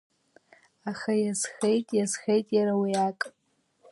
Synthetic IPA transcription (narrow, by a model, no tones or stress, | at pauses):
aχajazxejtʼjazxejtʼjaɾawiakʼ